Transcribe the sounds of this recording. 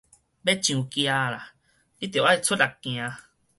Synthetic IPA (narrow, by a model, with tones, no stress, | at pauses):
bɛ˦t͡ʃĩ˧˨ũ˧ki˧a˧˨ɾa˨ | i˦t̪e˨wa˦i˧t͡so˦da˨kĩ˨a˧